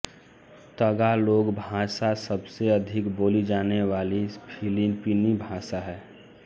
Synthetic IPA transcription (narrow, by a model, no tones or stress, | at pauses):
t̪əɡaloːɡbʱãːsasəbseɐd̪ʱɪkboːlid͡ʒaːneʋaːlipʰilinpiːnibʱaːsaɦɛː